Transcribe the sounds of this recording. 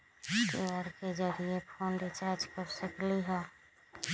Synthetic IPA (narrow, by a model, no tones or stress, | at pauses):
keəɾked͡ʒəɾiepʰoːnɖɪt͡ʃaːɾd͡ʒkəɾsəkliɦɛ̃ː